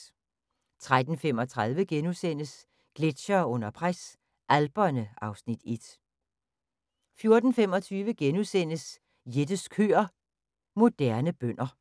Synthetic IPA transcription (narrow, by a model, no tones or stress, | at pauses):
t͡sʰʁad̥n̩fem̰ɒ̽t͡sʰʁaðˠʋəɡ̥enusen̰əs | ɡ̥le̝d̥ɕɐɔ̽n̰ɐpʰʁas | ʔælb̥ɐnəɑ̈ʊsnid̥ed̥ | fjo̝ɐd̥n̩fem̰ɒ̽t͡sʰyːʋəɡ̥enusen̰əs | jed̥əskʰøːɐ | mo̝d̥æɐnəb̥øn̰ɐ